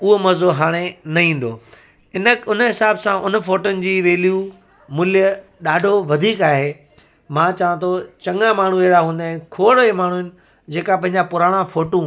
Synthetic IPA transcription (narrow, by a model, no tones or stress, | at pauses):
ʊɦomɐzoɦaːɽ̃enɐɦĩːn̆d̪oː | ɪnəʊnəɦɪsaːbsãʔʊnə̆foːʈʊnɪ̆d͡ʑiːʋeːlju | mʊljə | ɗaːɖʱoʋɐd̪ʱiːkaːɦeː | mãt͡ɕɐʋə̃t̪ʰot͡ɕɐ̃ŋɡãmaːɳ̤ũeɦɪɽaɦũːnd̪aːɦɪ̃ɪkʰoːɽoemaːɳ̤uɦɪnɪ̆ | d͡ʑeːkapɐ̃ɦɪ̃ɲd͡ʑapʊɾaːɽ̃ãfoːʈũ